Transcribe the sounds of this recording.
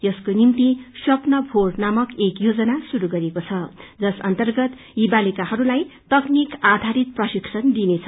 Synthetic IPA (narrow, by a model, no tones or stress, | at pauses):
jʌskonimt̪isʌpnʌbʱornamʌkekjod͡zʌnasuɾuɡʌɾekot͡sʰʌd͡zʌsʌ̰nt̪ʌrɡʌt̪ | ibalikahʌɾulajt̪ʌknikad̪ʱaɾit̪̚prʌsiksʌnd̪inet͡sʰʌ